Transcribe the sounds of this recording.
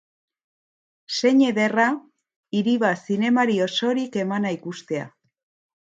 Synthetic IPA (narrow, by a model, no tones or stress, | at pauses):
se̞ɲe̞ðe̞ra | iɾiβasine̞maɾio̞so̞ɾike̞manaikust̪e̞a̰